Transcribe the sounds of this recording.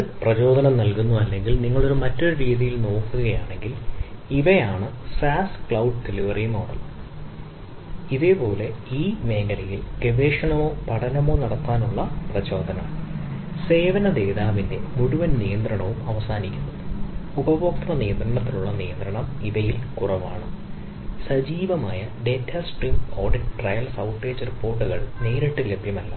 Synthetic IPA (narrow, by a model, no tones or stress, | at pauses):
prɐt͡ɕo̞ːd̪ʱɐnɐmnɐlkunːuɐlːe̞ŋɡilniŋːɐɭo̞ɾumɐtːoɾuɾiːðijilno̞ːkːuɣɐjaːɳe̞ŋɡiliʋɐjaːɳɨ | saːskɭɐwɖ̚ʈeliʋɐrijmoːɽɐlː | iðe̞po̞ːle̞iːme̞ːɡɐɾɐjilɡeʋe̞ːʂɐɳɐmoːpɐɽɐnɐmo̞ːnɐɽɐt̪ːaːnuɭːɐprɐt͡ɕo̞ːd̪ʱɐnɐm | se̞ːʋɐnɐd̪eːðaːʋinde̞muɽuʋɐnnijɐnd̪rɐɳɐʋumɐʋɐsaːnikʲːunːɐðɨubɐboːkt̪rɐnijɐnd̪rɐɳɐt̪ːiluɭːɐnijɐnd̪ɾɐɳɐmiðɐjilkurɐʋa̰ːɳɨ | sɐd͡ʑiːʋɐmaːjɐɖe̞tʰːɐsʈriːmo̞ːrɖiʈʈrɐjɐlsɐwʈːe̞ːd͡ʑripːo̞ːrʈːuɣɐɭneːɾiʈːɨle̞bjɐmɐlːɐ